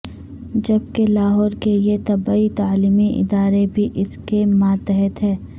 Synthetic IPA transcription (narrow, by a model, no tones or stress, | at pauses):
d͡ʒɐb̚kelaːɦɔːɾkeet̪ɐbaːit̪aːliːmiʔɪ̰d̪aːɾebʱiʔɪskemãːt̪ɛɦɛt̪ɦɛ̃ː